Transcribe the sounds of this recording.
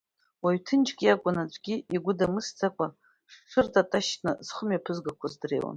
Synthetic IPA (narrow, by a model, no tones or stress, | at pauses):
waɥtʰɨnt͡ʃɡʲijakʷʼʊnat͡ɕʷʼɡʲiiɡʷʊdamɨst͡sʰʼakʷʼa | ʂʃʰʷɨrtʰʼatʼaʃtʰʼnɨz̥χəmɥjapʰɨzɡakʷʰazdreːwa̰n